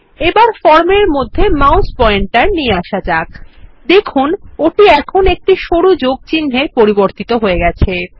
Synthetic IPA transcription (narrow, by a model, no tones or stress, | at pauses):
ebaɾfɔɾmeɾmod̪ʱːemawspɔeɳʈʈaɾnieaʃad͡ʑakd̪ekʰunoʈiɛkʰonek̚ʈiʃoɽud͡ʑoɡ̚t͡ɕinːepoɾiboɾt̪it̪oɦoeɡɛt͡ɕʰe